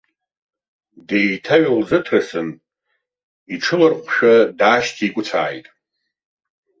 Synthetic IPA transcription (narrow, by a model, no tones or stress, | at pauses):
dejtʰaɥalzɨtʰrasɨn | iʈ͡ʂʰɨlɨrqʷʃᶣadaːʃtʰiːkʷʼʊt͡sʰa̰ːjtʼ